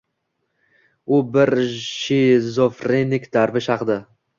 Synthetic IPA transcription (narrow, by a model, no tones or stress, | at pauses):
ʊbɪɾʃɪzofɾenɪkʲd̪aɾbɪʃɑqd̪ɪ